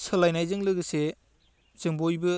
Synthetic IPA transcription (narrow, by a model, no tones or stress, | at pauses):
sɯlajnajzɯŋlɯɡɯse | z̥ɯŋbojbɯ